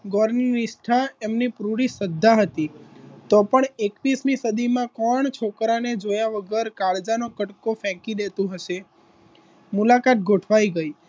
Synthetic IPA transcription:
ɡɔɾniniʃʈʰaemnipɾuɽisəd̪ʱːaɦət̪it̪opəɳekʋismisəd̪ʱimãkɔɳt͡ʃʰokɾaned͡ʒojaʋəɡəɾkaɭd͡ʒanokəʈkofɛ̃kiɗ̪et̪ũɦəʃe | mulakat̪̚ɡʱoʈʰʋaiɡəj

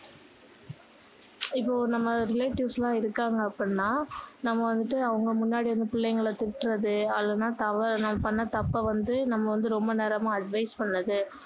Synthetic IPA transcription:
ɪpːoːnɐmːɐɾɪleːʈɪʋslãːɪɾɯkːaːŋɡɐːpːɐɽnːaːnɐmːɐʋɐnd̪ɯʈːɯɐʋɐŋɡɐmʊnːaːɽiʋɐnd̪ɯpɪɭːɐjŋɡɐɭɐt̪ɪʈːɯɾɐðɯɐlːɐnaːt̪ɐʋɐɾnɐmːɐpɐɳːɐt̪ɐpːɐʋɐnd̪ɯnɐmːɐʋɐnd̪ɯɾɔmbɐnɛːɾɐmãːɐɖʋɐɪspɐɳːɐðɯ

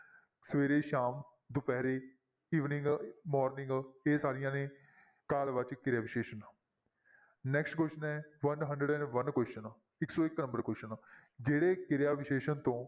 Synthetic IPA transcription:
səʋeːɾeːʃaːm | d̪ʊpɛːɾeː | iːʋnɪ̃ŋɡmɔːɾnɪ̃ŋɡeːsaːɾɪjãːnẽː | kaːlʋət͡ʃkɪɾjaːʋɪʃeːʃənaː | nɛːksʈkwʊʃənɛːʋənɦəɳɖɾəɖɛ̃ːnʋənkwst͡ʃən | ɪksoːɪknə̃mbəɾkɛːt͡ʃənd͡ʒeːɽeːkɪɾjaːʋɪʃeːʃənt̪õː

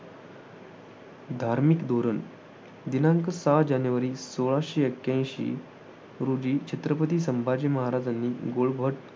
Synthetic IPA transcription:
d̪ʱaɾmikd̪oɾən | d̪inãŋkəsad͡ʑanjuʋəɾiːsoɭaɕiːekːjãj̃ɕḭː | ɾud͡ʑiːt͡ɕʰet̪ɾəpət̪iːsəmbʱad͡ʑiməɦaɾad͡zanːiːɡoɭbʱəʈ

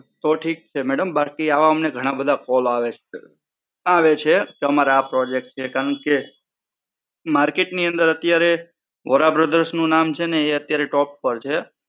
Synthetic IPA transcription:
t̪oʈʰik̚t͡ʃʰemɛɽəmbakiaʋaəmneɡʱəɽ̃abəd̪ʱakɔlaʋet͡ʃʰe | aʋet͡ʃʰekeəmaɾaapɾɔd͡ʒek̚ʈ̚t͡ʃʰekaɾəɳke | maɾkeʈniənd̪əɾət̪jaɾe | ʋəɾabɾəd̪əɾʃnũnamt͡ʃʰeneːət̪jaɾeʈɔpːəɾt͡ʃʰe

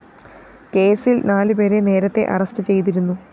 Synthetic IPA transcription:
ke̞ːsilnaːlɨpe̞ːɾe̞ne̞ːɾɐt̪ːe̞̰ʔɐ̰rɐstɨt͡ɕe̞jt̪iɾunːu

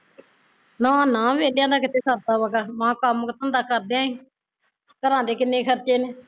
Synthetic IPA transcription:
nãːnãːʋeːljãːd̪aːkɪt̪ʰeːsʰəɾt̪aːʋəkaːmãːkəmkt̪ənd̪aːkəɾd̪ãːĩː | kəɾãːd̪eːkɪnːẽːkʰəɾt͡ʃeːneː

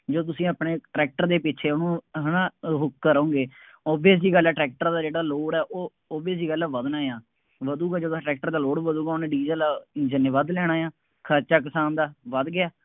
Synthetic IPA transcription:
d͡ʒoːt̪̬ʊsĩːaːpɳeːʈɾɛːk̚ʈəɾd̪eːpɪt͡ʃʰeːʊnũːɦənãːɦʊk̚kəɾãõːŋɡeː | ɔːbiəsd͡ʒiːɡəlɛːʈɾɛːk̚ʈəɾd̪aːd͡ʒeːɽaːloːɽɛːʔoː | ɔːbiəsd͡ʒiːɡəlɛːʋəd̪naːjaː | ʋəd̪uːɡaːd͡ʒoːt̪ːʈɾɛːk̚ʈəɾd̪aːloːɽʋəd̪uːɡaːʊnẽɖid͡ʒd͡ʒəlaːd͡ʒənjəʋaːd̪lɛːɽ̃aːjaː | kʰəɾt͡ʃaːk̬əsaːnd̪aːʋəd̪ɡɪjaː

